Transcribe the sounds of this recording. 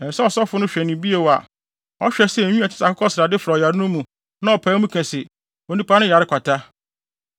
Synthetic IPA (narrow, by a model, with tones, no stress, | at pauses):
ɛ̃˨n˨sɛ˦ɔ˨sɔ˦fʊ˦nʊ̃˦ɕᶣɛ˨nɪ̃˨bi˦e˨wa̰˨ | ɔ˦ɕᶣɛ˨sɛ˦˨ɲũ˦a˨tʰɪ̥˦sa˨kʰʊ˦kʰɔ˦sɪ˨ɾa˨dɪ˦fɾɔ˨ja˨ɾɪ˦nʊ̃˦mũ˨ | nã˦ɔ˨pʰaː˨˦mũ˦kʰɛ̃˨sɪ˨ | o˨nũ˦pʰa˦nʊ̃˦ja˨ɾɪ˦kʰʷa˨tʰa˦